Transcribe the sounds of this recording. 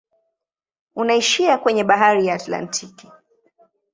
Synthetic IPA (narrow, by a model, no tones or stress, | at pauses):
unaiʃiakwɛɲɛɓaɦaɾijaːtla̰ntʰiki̥